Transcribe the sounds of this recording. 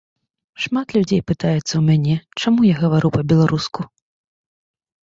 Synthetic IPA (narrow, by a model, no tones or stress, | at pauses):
ʂmat̪lʲud͡zʲejpɨt̪ajɛt̪sːɐwmʲanʲɛt͡ʂamujaɣɐvaɾupɐbʲɛlˠaɾusku